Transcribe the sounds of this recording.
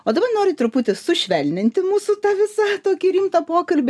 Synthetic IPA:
oːd̪ɐbɐrnoːɾʲɪt̪ɾʊpʊt̪ʲɪsʊʃʲʋʲɛlʲnʲɪnʲt̪ʲɪmuːsʊt̪ɑːʋʲɪsɑt̪oːkʲiɾʲiːmt̪ɐpoːkɐlʲbʲɪ

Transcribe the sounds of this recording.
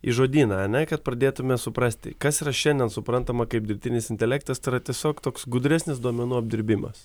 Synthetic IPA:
ḭːʒoːd̪ʲiːnɐɐnʲɛkɐt̪̚pɾɐd̪ʲeːt̪ʊmʲɛsʊpɾɐsʲt̪ʲɪ̰kɐsiːɾɐʃʲɛnʲd̪ʲɛnsʊpɾɐnt̪ɐmɐkɐɪp̚d̪ʲɪɾʲt̪ʲɪnʲɪsɪnʲt̪ʲɛlʲɛkt̪ɐst̪ɐɪɾɐt̪ʲiɛsʲoːkt̪oːksɡʊd̪ɾʲɛsʲnʲɪsd̪uɔmʲɛnuːɐb̚ʲd̪ʲɪɾʲbʲɪmɐ̰s

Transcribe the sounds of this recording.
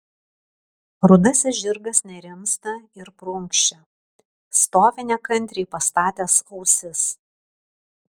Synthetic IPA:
ɾʊd̪ɐsʲɪʒʲɪɾɡɐsnʲɛɾʲɪmst̪ɐɪɾpɾʊŋkʃʲt͡ʃʲɛ | st̪oːʋʲɪnʲɛkɐnʲˑt̪ʲɾʲiːpɐst̪ɑːt̪ʲɛsɔʊsʲɪs

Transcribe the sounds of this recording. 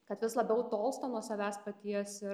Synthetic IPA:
kɐt̪ʋʲɪslˠɐbʲɛʊt̪oːlˠst̪oːnuɔsɐʋʲæːspɐt̪ʲiɛsɪ

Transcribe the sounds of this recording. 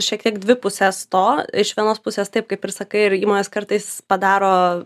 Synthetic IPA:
ʃʲiɛk̚t̪ʲiɛɡd̪ʲʋʲɪpʊsʲest̪oːɪʃʋʲiɛnoːspʊsʲeːst̪ɐɪp̚kɐɪpɪɾsɐkɐɪɪɾiːmoːnʲeskɐɾt̪ɐɪspɐd̪ɑːɾoː

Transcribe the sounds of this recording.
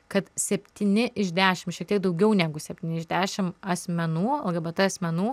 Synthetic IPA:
kɐt̪sʲɛpʲt̪ʲiːnʲɪʔɪʒʲd̪ʲæːʃʲɪmʃʲiɛk̚t̪iɛk̚d̪ɐʊɡʲɛʊnʲæːɡʊsʲɛpʲt̪ʲiːnʲɪʒʲd̪ʲæːʃʲɪmɐsʲmʲɛnuːɐlˠɡɐbɐt̪ɐɐsʲmʲɛnuː

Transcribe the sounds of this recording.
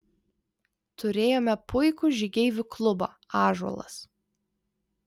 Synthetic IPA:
t̪ʊɾʲeːjoːmʲɛpʊɪkʊʒʲɪɡʲɛɪʋʲʊklˠʊbɑ̰ː | ɑːʒuɔ̰lˠɐ̰s

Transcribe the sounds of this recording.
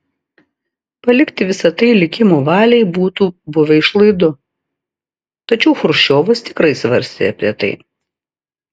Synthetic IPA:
pɐlʲɪkt̪ʲɪʋʲɪsɐt̪ɐɪlʲɪkʲɪmuːʋɑːlʲɛɪbuːt̪uːbʊʋʲɛɪʃlˠɐɪd̪ʊ | t̪ɐt͡ʃʲɛʊxʊɾʃʲoːʋɐst̪ʲɪkɾɐɪsʋɐɾʲsʲt̪ʲḛɐpʲɾʲiɛt̪ɐ̰ɪ

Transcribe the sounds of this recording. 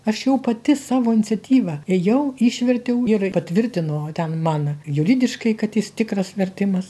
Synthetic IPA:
ɐʃjɛʊpɐt̪ʲɪsɑːʋoːɪnʲɪt͡sʲɛt̪ʲiːʋɐeːjɛʊiːʃʲʋʲɛrʲt̪ʲɛʊɪrpɐt̪ʲʋʲɪɾʲt̪ʲɪnot̪ʲɛnmɑːnɐjʊɾʲɪd̪ʲɪʃkɐɪkɐt̪jɪst̪ʲɪkɾɐsʋʲɛrʲt̪ʲɪmɐs

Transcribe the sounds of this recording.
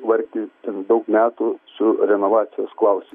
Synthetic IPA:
ʋɐɾkind̪okmʲaːt̪usuɾʲenɐʋaːt͡ʃʰɐsklaːwsʲi

